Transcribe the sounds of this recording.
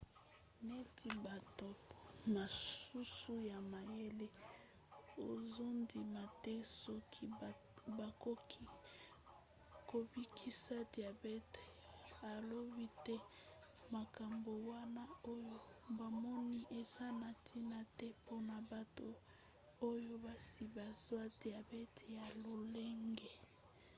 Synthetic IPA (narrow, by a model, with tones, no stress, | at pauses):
ne˦ti˨ba˨to˨ma˨ssu˦su˦ja˨ma˨je˦le˦ | o˨zo˦ndi˨ma˨tɛ˦sɔ˦kʰi˦ | ba˨ko˦ki˦ | ko˨bi˦kʰi˦sa˦di˨a˨bɛ˦ta˨lo˦bi˦tɛ˦ma˨ka˨mbo˨wa˦na˦o˦jo˦ba˨mɔ˦ni˦ʔe˨za˦na˨tʰi˦na˨tɛ˦po˦na˨ba˨to˨ | o˦jo˦ba˨si˨ba˨zwa˦d̥i˨a˨bɛ˦tja˨lo˨le˦ŋɡe˨